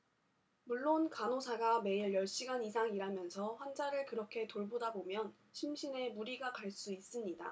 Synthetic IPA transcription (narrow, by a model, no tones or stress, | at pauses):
muɭːonkanosʰaɡame̞iɭjʌɭɕ͈iɡanisʰaŋiɾamjʌnsʰʌɸwand͡ʑaɾɯɭkɯɾʌkʰe̞toɭbodabomjʌn | ɕʰimɕʰine̞muɾiɡakaɭs͈uis͈ɯmɲida̰